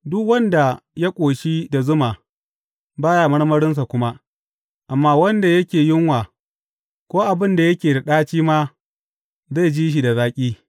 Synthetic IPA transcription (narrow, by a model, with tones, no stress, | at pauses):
dʊ˦kwɐ˦nda˨ja˦kʷʼoː˨ʃi˦da˨zʊ˦maː˨ | baː˦jaː˨mɐ˦ɽmɐ˦ɽɪ˦ns̬a˨kʷʊ˦ma˦ | ʔa˨mːaː˦wɐ˦nda˨jɐ˦kʲeː˨jɪ˦ŋwaː˨ | kʷoː˦ʔa˨bɪ˦nda˨jɐ˦kʲeː˨da˨ɗaː˦t͡ʃiː˦maː˦ | za˦˨d͡ʒiː˦ʃ̬i˨da˨zaː˦kʲʼiː˦